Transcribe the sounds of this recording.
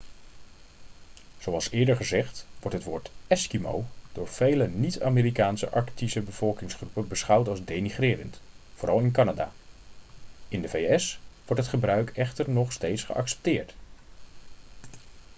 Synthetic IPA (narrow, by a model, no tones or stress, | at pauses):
z̥owɑlˠsɪːɹdəɹχəzɛχtʋɔɹtɦətʋoːɹtɛskimo̰wd̥ʊːɹv̥ejlənita̰ːmeːɾikaːnsə̰ʔɑɹktisəbəv̥ɔlˠkɪŋsχrupənbəsχʌwtɑlˠzdejniχrɪːrəntfoːɾɑlˠɪnkɑnada̰ː | ɪndəvejɛsʋɔɹtɦətχəbrœɥkɛχtəɹnɔχstejtsχə̰ʔɑ̰ksɛ̥p̚tɪːɹt